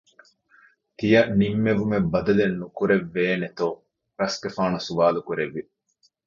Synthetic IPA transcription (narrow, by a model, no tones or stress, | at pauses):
t̪ijɐnimːeʋumebɐd̪ɐlenːukuɾeʋːeːnet̪oː | ɾɐskefaːnusuʋaːlukuɾeʋːi